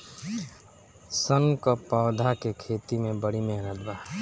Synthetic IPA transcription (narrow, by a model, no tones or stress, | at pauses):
səŋɡkəpaːd̪ʱakekʰeːt̪imẽbəɽimẽɦɾəd̪ba